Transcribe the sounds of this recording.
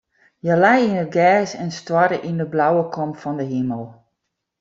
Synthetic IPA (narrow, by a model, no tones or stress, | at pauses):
jəlɛjinət̚ɡɛːsɛnstwɔɾəʔindəblawəkʰɔmfɔndəɦiməlˠ